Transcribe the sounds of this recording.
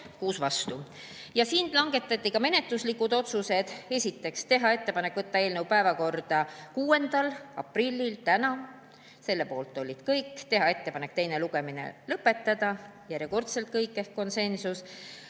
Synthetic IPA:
kuːsvɑst̪u | jɑsiːnlɑŋɡ̥e̞t̪ːˑɑt̪ʲˑːikɑme̞ne̞t̪ːˑuslikːud̪o̞t̪suse̞d̪̥e̞sʲit̪ːe̞kst̪e̞ɦɑe̞t̪ːe̞pɑnekːvɤt̪ːɑe̞ːlnewpæevɑko̞rd̪̥ɑkuːe̞nd̪̥ɑlɑ̰pˑrilʲːilt̪ænɑ | se̞lːe̞po̞ːlt̪ːˑo̞lʲːid̪̥kɤjkːt̪e̞ɦɑe̞t̪ːe̞pɑne̞k̚ːt̪e̞jne̞luɡ̥e̞mine̞̰lɤpːe̞t̪ːɑd̪̥ɑjæɾjeko̞rt̪selt̪̚kɤjkːe̞hkkːo̞nse̞nsus

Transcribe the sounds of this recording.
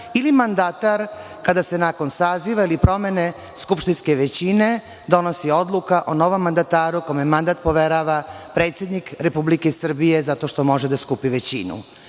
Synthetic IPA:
ilimand̪at̪aɾ | kad̪ase̞nako̞nsaːziʋailipɾo̞me̞ne̞ | skupʃt̪inske̞ʋet͡ɕine̞ | d̪o̞nosio̞d̪lˠukaʔono̞ʋo̞mːand̪at̪aːɾukomemand̪at̪̚po̞ʋe̞ɾaʋapɾe̞ːt̪sjed̪nikɾe̞publikesr̩bije̞zat̪o̞ʃt̪o̞mo̞ʒed̪askupiʋet͡ɕḭnṵ

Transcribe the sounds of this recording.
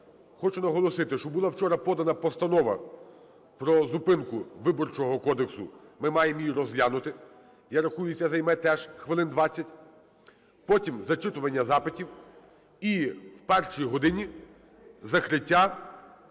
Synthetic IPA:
xɔt͡ʃʊnɐɦɔlˠɔsɪt̪ɪʃt͡ʃɔbʊlˠɑwt͡ʃɔɾɐpɔd̪ɐnɐpɔst̪ɐnɔʋɐ̰ | pɾɔzʊpɪnkʊʋɪbɔrt͡ʃɔɦɔkɔd̪eksʊ̰mɪmɑjemjiɾɔzlʲanʊt̪ɪ | jaɾɐxujʊsʲːɐzɐjmɛt̪ɛʒxʋɪlˠɪnd̪ʋɑt͡sʲːɐtʲ | pɔtʲimzɐt͡ʃɪt̪ʊʋɐnʲːɐzɑpɪtʲiw | iwpɛrʃijiɦɔd̪ɪnʲi | zɐkɾɪtʲːa

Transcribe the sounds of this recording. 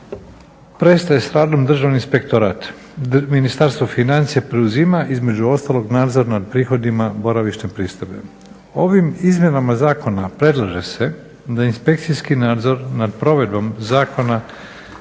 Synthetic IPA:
pɾe̞st̪aje̞sɾaːd̪o̞md̪r̩ʒaʋninspe̞kt̪o̞ɾaːt̪ | minist̪aɾst̪ʋofinant̪sijepɾe̞uzimaʔizme̞d͡ʑuo̞st̪alˠo̞ɡnaːd̪zo̞ɾanad̪̚pɾiːxo̞d̪imabo̞ɾaʋiʃnepɾiːst̪obe̞̰ | o̞ʋimizmje̞namazaːko̞napɾe̞d̪lˠaʒe̞se̞ | d̪ainspe̞k̚t̪sijskinaːd̪zo̞ɾnad̪pɾo̞ʋe̞d̪̚bomzaːko̞na

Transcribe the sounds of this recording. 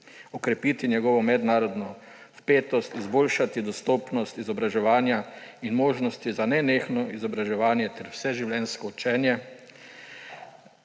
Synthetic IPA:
ɔkɾɛpiːt̪injɛɡɔːʋɔmɛd̪naːɾɔd̪nɔ | wpeːt̪ɔst̪izboːlʃat̪id̪ɔst̪oːpnɔst̪izɔbɾaʒɛʋaːnjainmoːʒnɔst̪izanɛneːxnɔizɔbɾaʒɛʋaːnjɛt̪ɛɾwsɛʒiwlɛnskɔut͡ʃɛːnjɛ

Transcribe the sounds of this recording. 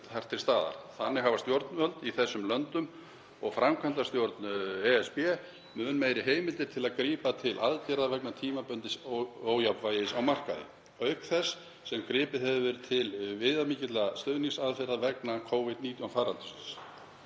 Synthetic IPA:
θḁt̪ʰɪlst̪aːða̰ɾθanːɪɦavast̪jowɾt̪nmœlt̪iθɛsːʏmlœnt̪ʏm | ɔɣfɾamkʰant̪ast̪jowɾt̪nɛɛspɛ | mʏnmeːjɾɪɦeːjmɪlt̪ɪɾ̥t̪ʰɪlaðkɾiːpat̪ʰɪlʔa̰ðc̪ɛɾaðvɛknat̪ʰiːmapœnt̪ɪsoːwjapvajɪsawmar̥ka̰ðɪ̰ | œɥhkθɛsː | ɛmkɾɪːpɪhɛvʏvɛɾʏt̪ʰɪlvɪðamiːcɪt̪last̪œːðniŋsaðfɛɾaðvɛknakʰoːwvɪd̪̚niːt̪jɔnfaːɾalt̪ʏ̥sɪ̥ns

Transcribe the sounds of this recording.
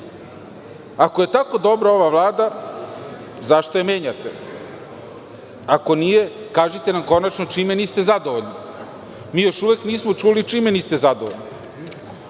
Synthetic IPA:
ako̞je̞t̪ako̞d̪o̞bɾao̞ʋaʋlˠaːd̪a | zaʃt̪ojeme̞ːɲat̪e̞ | ako̞nije̞ | kaːʒit̪e̞namko̞nat͡ʃno̞t͡ʃimeniːst̪e̞zad̪oʋoʎni | miːjo̞ʃuʋekniːsmot͡ʃulit͡ʃimeniːst̪ezad̪oʋoʎni

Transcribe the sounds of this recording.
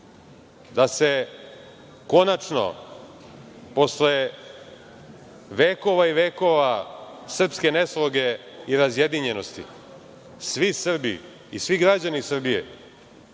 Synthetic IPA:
d̪ase̞ | ko̞nat͡ʂno̞̰ | po̞sle | ʋeːko̞ʋaiʋeːko̞ʋasr̩pske̞ne̞slˠoɡe̞ | iɾazje̞d̪iɲe̞no̞st̪ḭ | sʋisr̩bḭ | isʋiɡɾad͡ʑanisr̩bijḛ

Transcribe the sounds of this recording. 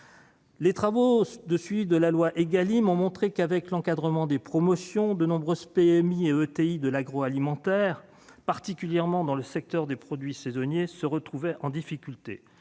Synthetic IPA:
let̪χavod̪əsɥivid̪əlalwaʔeɡalimɔ̃mɔ̃t̪χekavɛklɑ̃kad̪ʁəmɑ̃d̪epχɔmɔsjɔ̃d̪ənɔ̃bʁøzpeɛmieøt̪eid̪əlaɡʁɔalimɑ̃t̪ɛʁ | paʁt̪ikʲyljɛʁmɑ̃d̪ɑ̃ləsɛk̚t̪œʁd̪epχɔd̪ɥisezɔnjesəʁət̪χuvɛʔɑ̃d̪ifikʲylt̪e

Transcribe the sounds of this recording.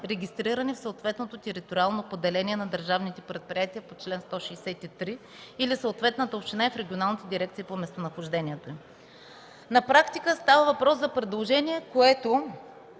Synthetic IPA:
ɾɛɡʲist̪ɾiɾənifsəːt̪vɛt̪not̪ot̪ɛɾit̪oɾʲialˠnopod̪ɛlɛnʲiɛnɐd̪əɾʒavnit̪ɛpɾɛt̪̚pɾijat̪iəpot͡ʃlɛnst̪ɔʃiːsɛt̪it̪ɾi | ilisəot̪vɛt̪nət̪əopʃt̪inaɛfɾɛɡʲionalˠnit̪ɛd̪iɾɛk̚t̪sipomɛst̪onɐxoʒd̪ɛniɛt̪oi | nɐpɾakt̪ikəst̪avəvɐpɾɔszɐpɾɛd̪lˠoʒɛniɛkoɛt̪o

